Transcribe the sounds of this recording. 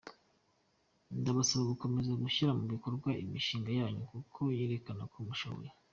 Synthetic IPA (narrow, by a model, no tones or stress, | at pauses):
ndaβasaβaɡuko̞me̞zaɡuçiɾamuβiko̞ɾɡwaʔimiʃiːŋɡajaːɲukukʰo̞jiɾekanakumuʃa̰βo̰je